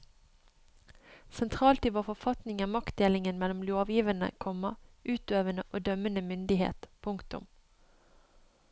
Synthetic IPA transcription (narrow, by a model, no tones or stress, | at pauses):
sɛnt̪ʰʁɑːlt̪iːʋoːfɔfɑt̪nɪŋæmɑkt̪̚d̪eːlɪŋənmɛlɔmloːʋjiːʋənə̰kʰɔmɑʔʉːt̪øːʋənəʔoːd̪œmənəmʏnd̪ɪhḛːt̪pʰʊŋkt̪ʊ̰m